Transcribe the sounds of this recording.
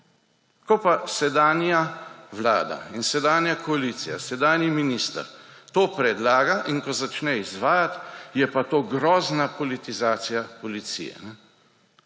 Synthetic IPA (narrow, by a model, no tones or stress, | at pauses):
kɔpasɛd̪aːnjaʋla̰ːd̪a̰insɛd̪aːnjakɔalit̪sija̰sɛd̪aːnjiminiːst̪ə̰ɾ | t̪oːpɾɛd̪laːɡaʔinkɔzat͡ʃnɛizʋaːjat̪jɛpat̪oːɡɾɔːznapɔlit̪izaːt̪sijapɔlit̪sḭjɛ̰nɛ